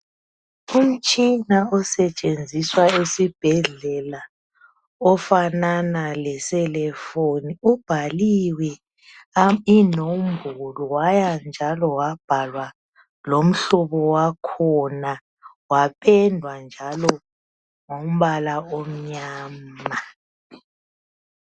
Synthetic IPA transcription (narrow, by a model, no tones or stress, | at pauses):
um̩t͡ʃʼinaɔsɛt͡ʃʼend͡zʱiswaesib̥ʱɛɮɛla | ɔfananalɛsɛlɛfoniub̥ʱaliwɛ | inombʱulɔwajand͡ʒʱalɔwab̥ʱalwa | lom̩ɬɔβɔwakʰɔna | wapʰɛndʱwand͡ʒʱalɔ | ŋom̩βalaom̩ɲaːma